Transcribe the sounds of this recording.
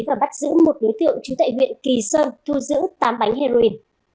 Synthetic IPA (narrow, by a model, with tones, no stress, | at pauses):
vaː˨˩ɓa˦˥t̚zɨ̰˧˥mo˨˩t̚ɗo˨˦jt̪ɨ̰˧˨əwŋt͡ɕu˨˦t̪a̰ː˧˨jɦwḭ˧˨ənki˨˩səː˧nt̪ʰu˧zɨ̰˧˥t̪aː˨˦mɓa˨˦jŋ̟hɛ˧zo˧i˧n